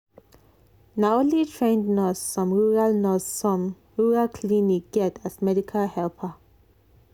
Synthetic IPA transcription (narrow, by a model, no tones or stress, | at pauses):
naonlitʰɹẽndnɔsfɹɔ̃mɹuɹalnɔsɔ̃m | ɹuɹalkʰlinik̚ɡ̥ɛtasmɛdikʰalhɛlpʰə